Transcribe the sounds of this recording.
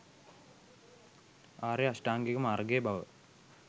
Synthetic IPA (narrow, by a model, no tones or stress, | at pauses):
aːɾeɐsʈaːŋɡekumaːrɡeːbɐʋə̰